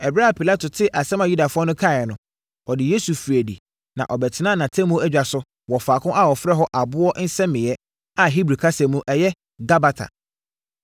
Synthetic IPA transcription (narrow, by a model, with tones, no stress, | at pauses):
ɛ˨bɾa˦˨pʰi˨la˦tʊ˨tʰɪ˦ʔa˨sɛ̃˦mã˨ju˦da˨fʊ˦ɔ˦nʊ̃˦kʰa˦˨ɛ˨nʊ̃˨ | ɔ˨dɪ˨je˦su˨fi˨æ˨dḭ˨ | nã̰˨ʔɔ˨bɛ˨tʰɪ˨nã˦nã˨tʰɛ̃˦mõ˦æ˦d͡ʑᶣa˨sʊ˦ | wɔ˨faː˨kʰʊ̃˦ʔa˦wɔ˨fɾɛ˦ɦɔ˦ʔa˨bʊ˦ɔ˦n̩˦sɛ̃˦mɪ̃˨jɛ˦ | a˨ɦi˦bɾi˨kʰa˦sɛ̃˨mũ˦ʔɛ˨jɛ˦ | ɡa˦ba˦tʰa̰˨